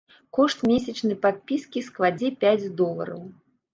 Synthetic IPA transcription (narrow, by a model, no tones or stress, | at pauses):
kɔʂt̪mʲesʲɐt͡ʂnɐjpat̪̚pʲiskʲisklˠad͡zʲɛpʲad͡zʲd̪ɔlˠɐ̰ɾɐ̰w